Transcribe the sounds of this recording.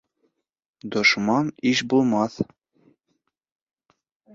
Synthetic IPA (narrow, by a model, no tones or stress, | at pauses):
d̪ŏʃmɑniʃbulˠmɑθ